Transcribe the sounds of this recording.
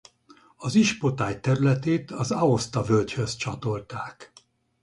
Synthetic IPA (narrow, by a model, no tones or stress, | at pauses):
ɒziʃpo̞t̪aːjt̪ɛɾylɛt̪eːt̪ɒzɒo̞st̪ɒvølɟhø̞zt͡ʃɒt̪o̞lt̪aːk